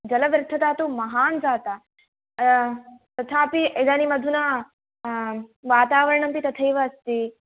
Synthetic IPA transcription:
d͡ʒɐlɐʋɐɾt̪ʰɐt̪aːt̪umɐɦaːnzaːt̪a | t̪ɐt̪ʰaːpied̪aːnimɐd̪ʱuna | ʋaːt̪aːʋɐɾɐɳɐmpit̪ɐt̪ʰɐjʋɐːst̪i

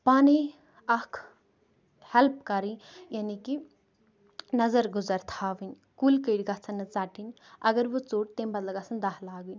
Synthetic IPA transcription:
paːni | ɐkʰ | hɛlp̚kɐɾijaːniki | nɐzɐɾɡʊzɐɾt̪ʰaːʋinʲ | kuːlkəɽɡaːt͡sʰɐnːɨt͡saːʈinʲɐɡɐɾʋut͡soːɽt̪embɐt̪lɐɡasɐnd̪aɦlaːɡunʲ

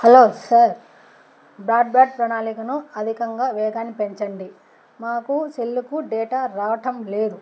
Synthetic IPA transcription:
hɐloːsɐɾ | bɾaːɖ̚baːɖ̚pɾɐnaːlikɐnuɐd̪ʱikɐŋɡaːʋɛːɡaːnːipeɲt͡ʃɐɳɖi | maːkut͡ʃelːukuɖɛːʈaːɾaːʋɐʈɐmle̞ːd̪u

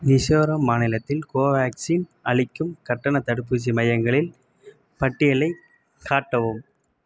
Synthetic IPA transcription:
nɪʂoːɾɐmːaːnɪlɐt̪ːɪlkoːʋaːksiːnʔɐɭɪkːɯmkɐʈːɐnɐt̪ɐɽɯpːɯt͡ʃimɐjɐŋɡɐɭɪl | pɐʈːɪjɐlɐɪ | kʰːaːʈːɐʋɯm

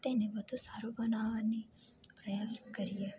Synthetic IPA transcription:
t̪enebəd̪ʱũsaɾobənaʋani | pɾəjaskəɾie

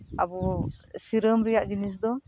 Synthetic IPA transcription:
a̰bɔsiɾəmɾijaʔd͡ʒinis̬d̪ɔ

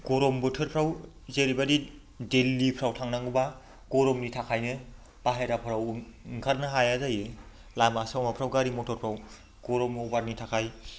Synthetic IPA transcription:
ɡ̥ɔɾɔmbɯtʰɯɾpʰɾaw | zeɾibadi | delːipʰɾawtʰaŋnaŋɯba | ɡ̥ɔɾɔmnitʰakʰajnɯ | b̥aɦeɾapʰɯɾawŋkʰaɾnɯɦajazajɯ | lamasawmapʰɾawɡaɾimɔtʰɔɾpʰɾaw | ɡ̥ɔɾɔmɔbaɾnitʰakʰaj

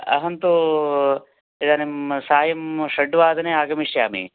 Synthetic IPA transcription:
ɐ̰ɦɐnt̪u | id̪aːnemsaːjɐmʂɐɖːʋaːd̪ɐneaːɡɐmiʂjaːmḭ

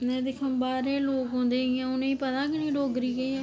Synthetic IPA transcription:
nɛ̃ːd̪ɪkʰãːbaːɾeːloːkɦõːnd̪eːɦãːʊnẽːiːpət̪ãːkɪnĩːɖoːɡɾiːɡeː

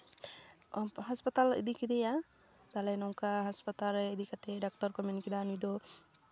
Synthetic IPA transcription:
ɦaspat̪alḭd̪ikid̪ɛja | d̪alɛnɔŋkaɦaspat̪aɾɛid̪ikat̪ɛɖak̚tɔɾkɔminikid̪anujd̪ɔ

